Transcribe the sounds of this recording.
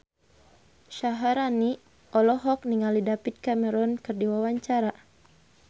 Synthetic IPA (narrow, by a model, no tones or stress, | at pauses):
ʃaɦaɾani | ʔɔlɔɦɔk̚niŋalidapit̪̚kamɛɾɔnkɨrdiwawaɲt͡ʃaɾa